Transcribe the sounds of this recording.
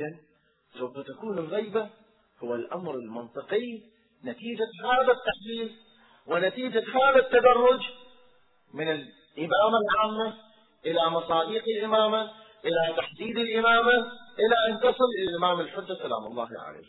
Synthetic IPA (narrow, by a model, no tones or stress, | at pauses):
an | ɾˤʊbːat̪akuːnɪlɣijba | hʊwːalʔamɾɪlmɪnt̪ˤɨqɪ | nat̪iːd͡ʒaɦaːðat̪ːaħliːl | wɪnat̪iːd͡ʒaɦaːðat̪ːad̪ɑrˤːʊd͡ʒ | mɪnɪl | ʔɪmaːmalʕaːmːa | ʔɪlamɑsˤɑːd̪iːqɪlʔɪmaːma | ʔɪlat̪aħd̪iːd̪ɪlʔɪmaːmaʔɪlaʔant̪ɑsˤɨlʔɪllʔɪmaːmɪlħʊd͡ʒːasala̰ːmʊ̰lˤːɑ̰ːhɪ̰ʕa̰lḛː